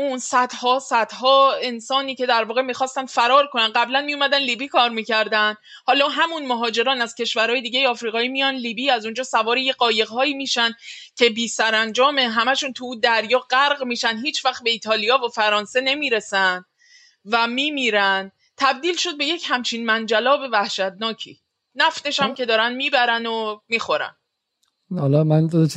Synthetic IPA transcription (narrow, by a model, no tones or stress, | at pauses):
uːnsæd̪hɒːsæd̪̥hɒːe̞nsɒːniːce̞d̪æɾvɒːɣe̞miːxɒːst̪ænd̪̥fæɾɒːɾkʰo̞nænɢæblænmijomæd̪ænliːbiːkʰɒːɾmiːcæɾd̪ænd̪ | hɒːlɒːɦæmunmoɦɒːd͡ʒe̞ɾɒːnæz̥cʰe̞ʃvæɾɒːje̞d̪iːɟejeɒːfɾiːɣɒːiːmijɒːnliːbiːæzund͡ʒɒːsævɒːɾijeɢɒːje̞ɣɦɒːiːmiːʃæncʰe̞biːsæɾænd͡ʒɒːme̞ɦæmæʃuːnt̪ʰuuːd̪æɾjɒːɢæɾɣmiːʃænɦiːt͡ʃʰvæxt̪̚be̞iːt̪ʰɒːlijɒːvofæɾɒːnse̞ne̞miːɾe̞sæn | væmiːmiːɾæn | t̪ʰæb̚d̪iːlʃo̞d̪̚be̞je̞cʰhæmt͡ʃʰiːnmænd͡ʒælɒːve̞væhʃæt̪̚nɒːcʰḭː | næft̪e̞ʃæmce̞d̪ɒːɾænd̪miːbæɾænomiːxo̞ɾæ̰n | hɒlɒmænd̪o